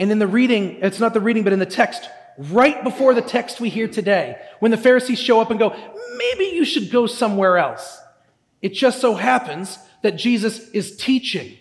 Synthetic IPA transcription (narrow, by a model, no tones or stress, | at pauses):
ɨ̃nɨ̃nðɨɹiɾɪ̃ŋɨtsnət̪̚ðɨɹiɾɪ̃ŋbʌɾɨ̃nðɨtʰɛkst̚ | ɹaɪt̚b̥əfɔɹðɨtʰɛkst̚wiɦiɹtʰɨdeɪwə̃nðɨfɛɹɨsiz̥ʃoʊʌpɨ̃nɡoʊmeɪbijɨʃɨd̚ɡoʊsʌ̃mwɛɹɛlˠs | ɨt̚d̥ʒ̥ʌstsoʊɦæpɨ̃nz | ðɨt̚d̥ʒ̥izɨsɨz̥tʰit͡ʃɪ̃ŋ